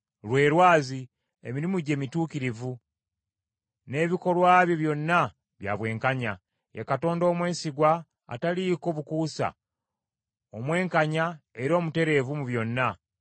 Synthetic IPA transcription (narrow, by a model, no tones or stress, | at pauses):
lwe̞ːɾwaːzi | ḛmiɾimuɟe̞ːmituːkiɾivu | ne̞ːβiko̞lwaːβjoβjo̞nːa | βja̰ːβwe̞ːŋkaɲa | akato̞ːndo̞ːmwe̞ːsiɡwa̰ː | taliko̞ːβukuːsa̰ | o̞mwe̞ːŋkaɲae̞ɾo̞ːmute̞ɾe̞vumuβjo̞nːa